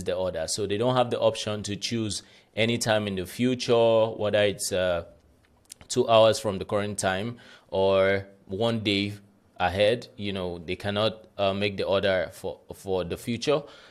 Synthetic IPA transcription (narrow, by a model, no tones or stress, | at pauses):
zðiɔɹɾə˞soʊðeɪdõʊ̃nhavðiʔɔpʃə̃ntɨt͡ʃʰuz | ʔɛñitʰãɪ̃mɨ̃nðɨfjut͡ʃə˞wʔʌɾɛɪtsʌ | tʰuʔaʊə˞z̥fɹɔ̃mðəkʰɔɹɨ̃ntʰãɪ̃mə | wʌ̃ndeɪ | əɦɛdjunoʊðeɪkʰænɔt̚ʌmeɪk̚ðiɔɹɾə˞ffɔ˞ðəfjut͡ʃə˞